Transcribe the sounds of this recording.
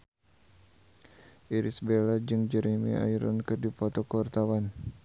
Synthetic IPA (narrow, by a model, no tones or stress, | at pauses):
ʔiɾisbelad͡ʒɨŋd͡ʒəɾimḭa̰iɾa̰nkɨdipɔt̪ɔkəwart̪awan